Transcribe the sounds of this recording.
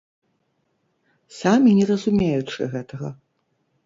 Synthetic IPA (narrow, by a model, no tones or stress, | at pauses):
samʲinʲɛrɐzumʲejut͡ʂɨ̰ɣɛt̪ɐɣɐ